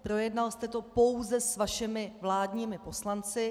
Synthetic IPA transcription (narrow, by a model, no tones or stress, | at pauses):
pɾo̞jɛdnalst̪ɛt̪o̞po̞wzɛsvaʃɪmɪvlaːdɲiːmɪpo̞slant͡sɪ